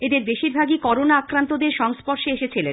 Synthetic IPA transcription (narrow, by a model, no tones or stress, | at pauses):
ed̪eɾbeʃiɾbʱaɡikɔɾonaakɾant̪od̪eɾʃɔŋspɔɾʃeeʃet͡ɕʰilen